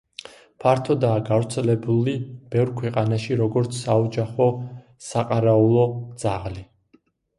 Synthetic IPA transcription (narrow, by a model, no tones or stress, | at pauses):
pʰaɾt̪ʰɔd̪aːɡavɾt̪sʰɛlɛbulib̥ɛvɾkʰwɛqʼanaʃiɾɔɡɔɾt̪sʰsaɔd͡ʒaχɔ | saqʼaɾaulˠɔd̪z̥aʁli